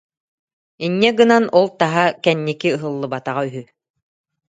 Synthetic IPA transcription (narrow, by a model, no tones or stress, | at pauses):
inːɛɡɯnanɔlˠt̪aɦakɛnːikiɯɦɯlˠːɯbat̪aʁayɦy